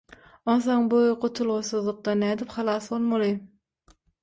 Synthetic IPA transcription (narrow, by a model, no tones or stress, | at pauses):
onθoɴbojqʰot̪ʰulˠʁosuðlˠuq̚t̪ɑnæːd̪ipχɑlˠɑːsbolˠmɑlˠɯ